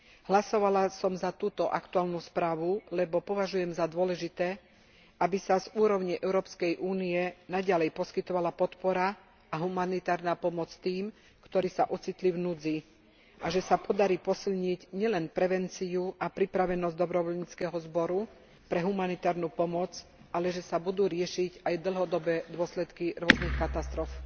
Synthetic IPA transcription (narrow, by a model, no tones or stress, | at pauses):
hlasɔʋalasɔmzat̪uːt̪ɔʔa̰kt̪uaːlnuːspɾaːʋulɛbɔpɔʋaʒujɛmzad̪ʊɔlɛʒit̪ɛː | abisazuːɾɔʊɲiʔɛʊɾɔːpskɛjʔuːnijɛnaɟalɛjpɔskit̪ɔʋalapɔt̪pɔɾa | aɦumanit̪aːɾnaːpɔmɔt͡st̪iːm | kt̪ɔɾiːsaʔɔt͡sit̪livnud͡zi | ʔaʒɛsapɔd̪aɾiːpɔsilɲiɟɲɪɛlɛnpɾɛʋɛnt͡siuʔapɾipɾaʋɛnɔzd̪ɔbɾɔʋɔlɲiːt͡skɛːɦɔzbɔɾu | pɾɛɦumanit̪aːɾnupɔmɔd͡zalɛʒɛsabud̪uːɾɪɛʃiɟajd̪l̩ɦɔd̪ɔbɛːd̪ʊɔslɛt̪kiɾʊɔznixkat̪ast̪ɾɔf